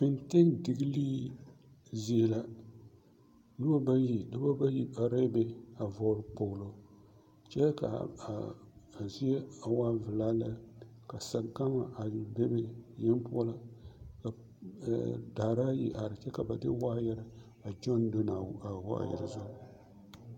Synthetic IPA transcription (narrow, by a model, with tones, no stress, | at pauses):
pɪ˨nte˦ŋdɪ˨ɡi˦liː˦ | zi˦e˨la˦ | nɨ˦ba˦ba˦ji˦dɨ˦ba˦ba˦ji˦a˨ɾe˦be˨a˨vɔ˨˦ɾɨ˨˦k͡po˨ɣlo˨ | t͡ʃɛ˦ka̰˨a˨a˨zi˦e˦a˨waː˦vɨ˨laː˦la˦ka˨sa˨ɡa˦ma˨ʔa˨be˦be˦jɛ˦m˦pʊ˦ɔ˦la˦ka̰˨ | da˨ɾa˦jḭ˦ʔa˨ɾɨ˨t͡ʃɛ˦ka˨ba˨dɪ˦wa˦ja˦ɾɪ˦ | a˨d͡ʒɔ˦ndo˦na˨a˨wa̰˦˨jɛ̰˨ɾɨ̰˨zʊ˦˨